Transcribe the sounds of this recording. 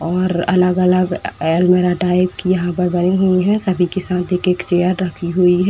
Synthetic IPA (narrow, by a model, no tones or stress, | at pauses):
ɔːɾɐ̰ləɡələɡelmeɾaʈaːɪb̚kijɐɦãpəɾbɐniɦuiɦɛ̃sɐbʱikɪsaːt̪eːkeːkt͡ʃejəɾɾəkʰiɦuiɦɛ